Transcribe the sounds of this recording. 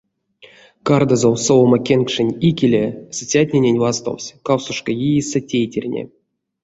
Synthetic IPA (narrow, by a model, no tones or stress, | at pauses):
kard̪azowsomakʲenkʂɨnʲikʲilʲesʲt͡sʲat̚ʲnʲenʲenʲvast̪o̰wʲsʲkawsuʂkəjijisətʲejtʲerʲnʲḛ